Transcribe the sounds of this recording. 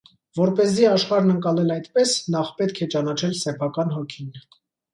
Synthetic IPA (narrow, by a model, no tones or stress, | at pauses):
vɔɾpɛziɑʃχɑɾnəŋkɑlɛlɑjt̪pɛsnɑχpɛt̪kʰɛt͡ʃɑnɑt͡ʃʰɛlsɛpʰɑkɑnɦɔkʰin